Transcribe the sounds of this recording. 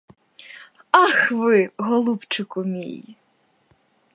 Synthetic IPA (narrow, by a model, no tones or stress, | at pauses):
ɑxʋɪɦɔlˠupt͡ʃʊkʊmʲḭj